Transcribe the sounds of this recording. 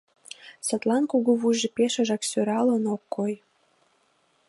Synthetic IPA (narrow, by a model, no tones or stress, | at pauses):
sə̆t̪lɑnkuɣuβuʒepeʃə̆ʒɑksøɾɑlə̆nokːoj